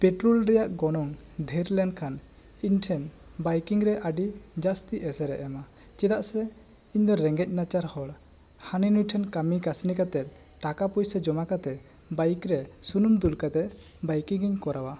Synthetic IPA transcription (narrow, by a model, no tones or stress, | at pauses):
pɛʈɾɔlɾɛjaʔɡɔnɔŋɖʱɛɾlɛnɖkʰan | iɲʈʰɛn | bajkiŋɾɛʔaɖid͡ʒast̪iʔɛsɛɾɛʔɛma | t͡ʃɛd̪aʔsɛ | iɲd̪ɔɾɛŋɡɛc̚nat͡ʃaɾhɔɽ | haninujʈʰɛnkamikasnikat̪ɛt̪̚ | ʈakapujsɛd͡ʒɔmakat̪ɛ | bajkɾɛsunumd̪ulkat̪ɛ | bajkiŋɡiɲkɔɾawa